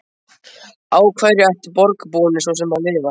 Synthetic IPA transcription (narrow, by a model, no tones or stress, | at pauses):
aːwkʰvaːjɾɪaht̪ɪpɔɾkpɔːnɪsɔws̬ɛmvaɾvɪlva